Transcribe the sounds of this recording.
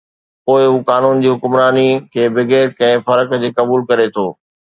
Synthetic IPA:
poːɪɦuːkaːnuːnd͡ʑiːɦʊkmɾaːnikʰeːbɪɡeːɾkɐ̃ɦɪ̃fɐɾəkd͡ʑeːkɐbuːlkɐɾet̪ʰoː

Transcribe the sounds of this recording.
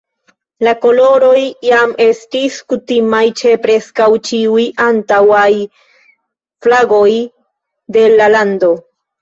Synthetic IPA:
lako̞lo̞ɾo̞jːame̞stiskutimajt͡ʃe̞pɾe̞skawt͡ʃiujʔantawaj | flaɡo̞j | de̞lalando̞

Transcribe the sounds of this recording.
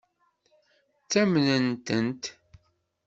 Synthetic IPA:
t͡sːæmnənt̪ənt̪

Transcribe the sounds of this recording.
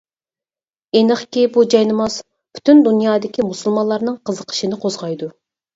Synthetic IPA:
enɨχkʲibud͡ʒɑjnɨmɑs | pʰy̥t̪ʰynd̪unjɑːd̪ɪkʲimusulˠmɑnlˠɑɾnɨŋqʰəzəqʰə̥ʃinɪqʰozʁɑjd̪u

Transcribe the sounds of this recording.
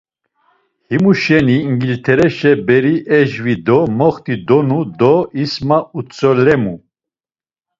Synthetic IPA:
himuʃɛniŋɡilt̪ʰɛɾɛʃɛbɛɾiʔɛʒvid̪ɔmɔχt̪ʰid̪ɔnud̪ɔismaut͡sʰʼɔlɛmu

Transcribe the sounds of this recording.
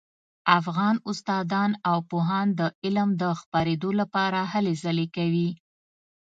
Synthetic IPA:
afɣɑnʊst̪ɑd̪ɑnawpoɦɑnd̪əɪlmd̪əxpɑɾed̪olapɑɾahalezalekawi

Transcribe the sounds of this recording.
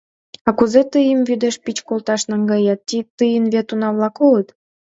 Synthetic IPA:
ɑkuzet̪ɯjəmvyd̪eʃpit͡ɕkolt̪ɑʃnɑŋɡɑjɑt̪ːit̪ɨjənβet̪unɑβlɑkolət̪

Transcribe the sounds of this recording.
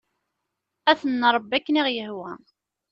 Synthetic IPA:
æθənːəɾˤəbːækːəniʁjəhwæ

